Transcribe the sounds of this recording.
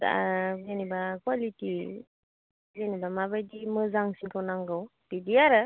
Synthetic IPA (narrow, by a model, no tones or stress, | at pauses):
aɡenibakwaliti | ɡenibamabajdimɯzaŋsiŋkʰawnaŋɡawb̥idiaɾa